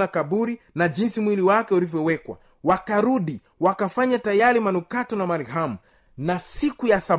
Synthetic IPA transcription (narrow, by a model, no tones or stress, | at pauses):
akabuɾi | naʄinsimwiliwakɛulivjɔwɛkwa̰ | wakaɾuɗi | wakafaɲatajaɾimanukatɔnamaɾiɦamu | nasikujasa